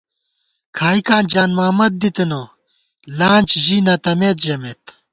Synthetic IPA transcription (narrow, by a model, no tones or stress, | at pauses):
kʰaːikaːnd͡ʑaːnmaːmɐd̪̚d̪it̪ino | laːnʲt͡ɕʑinɐt̪ɐmeːt̪ʑɐmeːt̪